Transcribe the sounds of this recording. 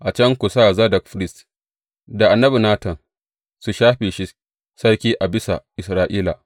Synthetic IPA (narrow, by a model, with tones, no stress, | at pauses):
ʔa˨t͡ʃɐ˦ŋkʷu˨saː˦˨zɐ˦dɐ˨kɸɾɪ˦st | da˨ʔa˨nːɐ˦bi˨naː˦tɐ˨n | su˨ʃaː˦ɸeː˨ʃi˦ | sɐ˦ɽkʲiː˦ʔa˨bɪ˦sa̰˨ʔɪ˨sɾaː˦ʔiː˦la̰ː˨